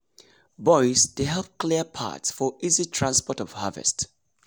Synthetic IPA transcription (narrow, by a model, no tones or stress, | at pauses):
bɔɪsdeɦɛlˠp̚kʰliəpʰa̰tsfɔʔizitʰɹ̥ãnspɔtɔv̥havɛ̰st